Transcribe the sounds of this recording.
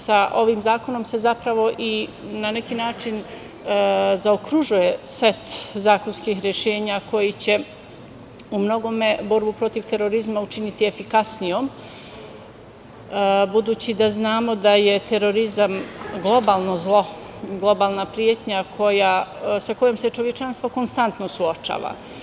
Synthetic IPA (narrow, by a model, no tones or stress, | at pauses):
saʔo̞ʋiːmzaːko̞no̞mse̞zapɾaʋo̞ʔinane̞kiːnaːt͡ʃin | zaokɾuʒuje̞se̞t̪zaːko̞nskiːxɾje̞ʃe̞ːɲako̞jit͡ɕe̞ | umno̞ɡo̞me̞bo̞ɾbupɾo̞t̪iʋt̪e̞ɾo̞ɾizmaut͡ʃinit̪ie̞fikasnijo̞m | bud̪uːt͡ɕid̪aznaːmo̞d̪aje̞t̪eɾo̞ɾizamɡlˠo̞baːlˠno̞zlˠo̞ | ɡlˠo̞baːlˠnapɾijet̪ɲakʰo̞jasako̞jomse̞t͡ʃo̞ʋjet͡ʃanst̪ʋo̞ko̞nst̪ant̪nosuot͡ʃa̰ːʋa̰